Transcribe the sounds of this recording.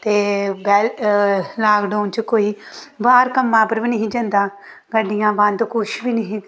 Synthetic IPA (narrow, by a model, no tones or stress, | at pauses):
t̪eːbɛːllaːɡɖaːnt͡ʃkoːiː | baːɾkəmːãːpəɾʋiːnəɦĩːd͡ʒə̃nd̪aː | ɡəɖijãːbãnd̪kʊʃʋiːnəɦĩː